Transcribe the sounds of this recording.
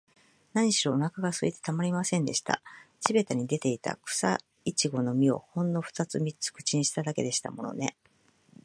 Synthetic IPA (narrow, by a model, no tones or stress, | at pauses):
naɲ̟iɕiɾo̞ːnakaɡasɨḭt̪e̞t̪amaɾʲimasẽ̞nd̪e̞ɕi̥t̪a̰ɕibe̞t̪aɲ̟id̪e̞t̪e̞it̪a̰kɯ̟̥sa̰ | it͡ɕiɡo̞no̞mʲio̞̰hõ̞nːo̞ɸɯ̟̥t̪at͡sɨmʲit͡sɨ̥kɯ̟̥t͡ɕiɲĩɕi̥t̪ad̪ake̞d̪e̞ɕi̥t̪a̰mo̞no̞̰ne̞